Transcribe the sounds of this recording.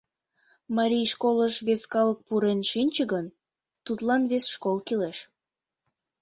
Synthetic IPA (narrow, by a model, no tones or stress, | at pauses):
mɑɾʲijʃkoləʃβeskɑlək̚puɾenʃinʲt͡ɕəɡən | t̪ut̪lɑnβesʃkolkileʃ